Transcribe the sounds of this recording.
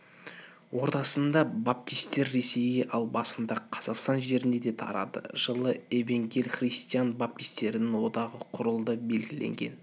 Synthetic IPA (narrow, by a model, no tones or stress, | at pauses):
wo̞ɾt̪ɑsənd̪ɑbap̚t̪ijst̪e̞ɾːe̞se̞jeʔɑlˠbɑsənd̪ɑqʰɑzɑqst̪ɑnʒe̞ɾɪne̞d̪e̞t̪ʰɑ̰ɾɑ̰d̪ə̰ʒ̥əlˠəe̞veŋɡʲelʲχrijst̪ijanbap̚t̪ijst̪e̞ɾɪnɪŋwo̞d̪ɑʁəqʰʊɾəlˠd̪əbe̞lɡʲɪlḛŋɡʲe̞̰n